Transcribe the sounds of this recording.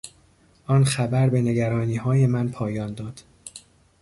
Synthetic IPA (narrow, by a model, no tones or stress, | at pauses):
ʔɒːnxæbæɾbe̞ne̞ɡæɾɒːniːɦɒːje̞mænpʰɒːjɒːnd̪ɒːd̪̥